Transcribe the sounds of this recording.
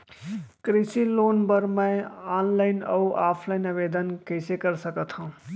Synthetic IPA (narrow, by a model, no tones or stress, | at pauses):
kɾisilonbəɾmə̃anlaɪnə̰uʔaːpʰlaɪnɐbed̪ənkəɪsekəɾsəkət̪ɦũ